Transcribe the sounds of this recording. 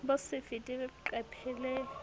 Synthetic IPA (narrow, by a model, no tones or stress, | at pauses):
bʊsɪfitʼiǃɛpʰɛlɛ